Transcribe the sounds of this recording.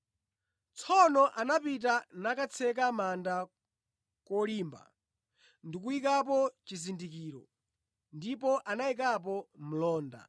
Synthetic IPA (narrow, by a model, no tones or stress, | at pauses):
t͡sʰɔnɔʔanapit̬anakat͡sʰɛk̬amanda | kɔliːmba̰ | ndik̬uikap̬ɔt͡ʃizindik̬iːɾɔ̰ | ndipɔʔanaik̬ap̬ɔm̩lɔːnda̰